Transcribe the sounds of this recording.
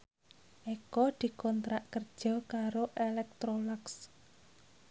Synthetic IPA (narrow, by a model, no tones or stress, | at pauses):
ʔekɔd̪̥i̤kɔnt̪ɾaʔkərd̥ʒ̥ɔ̤kaɾoʔelɛk̚t̪ɾolaks